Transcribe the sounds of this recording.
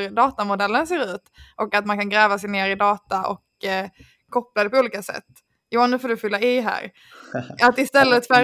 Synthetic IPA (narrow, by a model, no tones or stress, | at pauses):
ɾd̪ɑːt̪amʊd̪ɛlːənseːɾʉ̟ːt̪ʔɔkːat̪̚mankʰanɡɾɛːvasɛjneːɾɪd̪ɑːt̪aʔɔ̰kʰː | ɔplad̪ɛpʰɔuːliːkasɛ̰t̪ː | juːnʉ̟foːdɵfʏlːaɪɦæ̰ːɾ | at̪ɪst̪ɛlːət̪fɛ